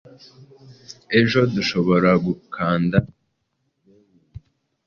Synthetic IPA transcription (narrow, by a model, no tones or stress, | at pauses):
e̞ʒo̞duʃo̞βo̞ɾaɡukʰaːnda